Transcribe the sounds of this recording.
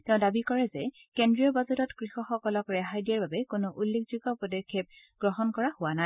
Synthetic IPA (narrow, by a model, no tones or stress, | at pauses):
tɛʊ̃dabikɔɹɛzɛ | kendɹiɔbazuɾɔtkɹixɔxɔkɔlɔkɹɛɦajdijaɹbabɛkonʊʔulːekzuɡɔpɔdɔkʰːep̚ | ɡ̥ɹɔɦɔnkɔɹahʊwanaj